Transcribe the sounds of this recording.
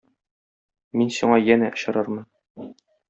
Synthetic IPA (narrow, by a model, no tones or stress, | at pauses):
minsuɴɑjænæʔŏɕɤ̆ɾɤɾmɤ̆n